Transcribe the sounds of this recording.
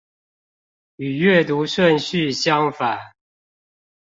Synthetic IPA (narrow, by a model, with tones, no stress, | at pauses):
y˨˩ɥɛ˥˨t̪u˨˦ʂwə˥˨nɕy˥˨ɕjɑ˦ŋfa˨˩˦